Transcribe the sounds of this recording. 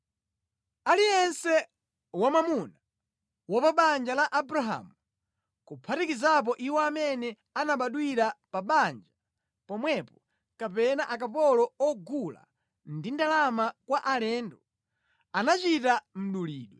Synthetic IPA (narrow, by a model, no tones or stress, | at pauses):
aliɛnsɛ | wamamuna | wapaɓand͡ʒalaʔabuɾaɦa̰ːmu | kupʰatikizap̬ɔʔiwɔamɛnɛ | anaɓaɗwiɾapaɓand͡ʒa | pɔmwɛpɔ | kapɛnaʔakapɔlɔɔɡula̰ | ndindalamakwaʔalɛːndɔ | anat͡ʃitam̩ɗuliːɗwɛ